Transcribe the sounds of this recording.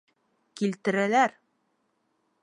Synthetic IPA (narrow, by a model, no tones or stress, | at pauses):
kilt̪ɘ̆ɾælæɾ